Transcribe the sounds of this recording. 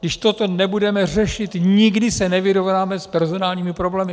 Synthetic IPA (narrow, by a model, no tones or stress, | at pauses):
dɪʃt̪o̞t̪o̞nɛbudɛmɛr̝ɛʃɪt̪ɲɪɡdɪsɛnɛvɪɾo̞vnaːmɛspɛɾzo̞naːlɲiːmɪpɾo̞blɛːmɪ